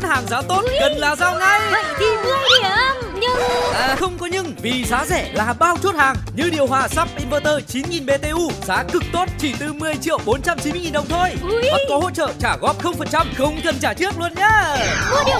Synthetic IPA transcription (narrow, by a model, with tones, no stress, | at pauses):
nhaː˨˩ŋzaː˨˦t̪o˦˥t̚ɣə˨˩nlaː˨˩zaː˧˩wŋa˨˧jə˧˨ki˨˧vɨ˨˦˥əi˧˩ə˧mɲɨ˧ʔaː˨xə˧wŋ͡mkɔ˨˦ɲɨ˧ŋvi˨˩zaː˨˦zɛ̰˧˩laː˨˩ɓaː˧wt͡ɕo˦˥t̚haː˨˩ŋɲɨ̰˧˥ɗi˨˩əwɦwaː˧˨˩sa˦˥p̚ʔi˧nvəː˧t̪əː˧˩t͡ɕi˨˦nŋi˨˩nɓe˧t̪e˧ʔu˧zaː˨˦kɨ˨˩k̚t̪o˦˥t̚t͡ɕi˧˩t̪ɨ˧mɨ˨˩əjt͡ɕḭ˧˨əwɓo˨˦nt͡ɕa˧mt͡ɕi˨˦nmɨ˧jŋi˨˩nɗə˨˩wŋ͡mt̪ʰo˧jwɔ˨˦t̚kɔ˨˦ɦo̰˧˨t͡ɕə̰ː˧˨t͡ɕaː˧˩ɣɔ˦˥p̚xə˧wŋ͡mfə˨˩nt͡ɕa˧mxə˧wŋ͡mkə˨˩nt͡ɕaː˧˩t͡ɕɨ˦˥ək̚lu˧ənɲaː˦˧˨